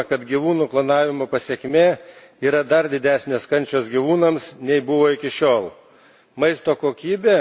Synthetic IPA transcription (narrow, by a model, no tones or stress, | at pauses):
kɐt̪ɡʲiʋuːnuːplˠɐnɑːʋʲɪmoːpɐsʲeɛkʲmʲeː | iːɾɐd̪ɐɾd̪ʲɪd̪ʲæːsʲnʲeːskɐnʲt͡ʃʲoːsɡʲiʋuːnɐmsnʲɛɪbʊʋoːɪkʲɪʃʲoːlˠ | mɐɪst̪oːkoːkʲiːbʲeː